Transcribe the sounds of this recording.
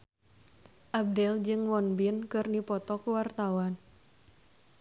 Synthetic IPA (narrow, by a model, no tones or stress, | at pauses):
ʔab̚dɛld͡ʒɨŋwɔnbinkɨrnipɔt̪ɔkuwart̪awan